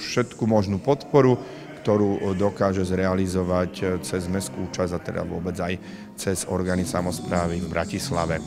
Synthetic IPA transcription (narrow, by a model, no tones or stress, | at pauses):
ʃɛt̪kumɔʒnuːpɔt̪pɔɾu | kt̪ɔɾuːd̪ɔkaːʒɛzɾɛalizɔʋact͡sɛzmɛskuːt͡ʃazat̪ɛ̰d̪a̰ʋʊɔbɛd͡zaj | t͡sɛzɔɾɡaːnisamɔspɾaːʋivbɾʔa̰cisla̰ʋɛ